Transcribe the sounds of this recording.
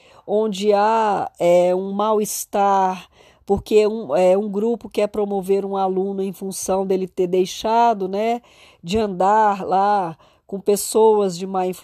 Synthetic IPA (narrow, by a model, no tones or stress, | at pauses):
õd͡ʒɪaɛũmawɪst̪aɾ | poɾkeũɛũɡɾupʊkɪɛpɾomoveɾũalũnʊẽj̃fũsɐ̃w̃d̪elɪt̪eɾd̪ejʃad̪ʊnɛ | d͡ʒɪɐ̃nd̪aɾla | kõpesowɐzd͡ʒɪmaĩf